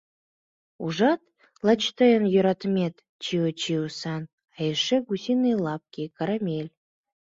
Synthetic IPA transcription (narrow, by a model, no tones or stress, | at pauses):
uʒɑt̪ | lˠɑt͡ɕt̪əjənjøɾɑt̪əmʲet̪ | t͡ɕiwət͡ɕiusɑn | ɑjəʃeɡusʲinɨjlˠɑp̚kʲekɑɾɑmʲelʲ